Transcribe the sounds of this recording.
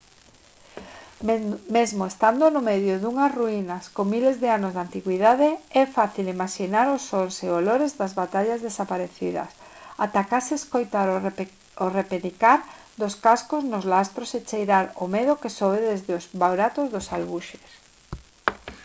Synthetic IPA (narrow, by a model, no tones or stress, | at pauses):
mezmoest̪and̪onʊmɛðjoðuŋasruinɐskomilezðeanʊzðant̪iɣwiðaðeɛfaθilimaʃinaɾʊsonseoloɾezðazβat̪aʎazðesapaɾeθḭðɐ̰sat̪akaɾseːskojt̪aɾ | orepenikaɾ | d̪ʊskaskoznʊzlast̪ɾoset͡ʃejɾaɾʊmɛðʊkesoβ̞eðezðeozβawɾat̪ʊzðʊsalβuʃe̥s